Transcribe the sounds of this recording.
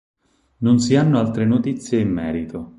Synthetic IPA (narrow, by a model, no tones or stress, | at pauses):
nonsianːoalt̪ɾenot̪it̪sːjeimːɛːɾit̪ʰo